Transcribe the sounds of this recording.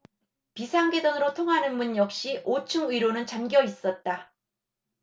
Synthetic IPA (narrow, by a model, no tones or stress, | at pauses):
pisʰaŋɡe̞dʌnɯɾotʰoŋɦanɯnbunjʌk̚ɕ͈iʔot͡ɕʰɯŋɯiɾonɯnt͡ɕamɡjʌis͈ʌt̚t͈a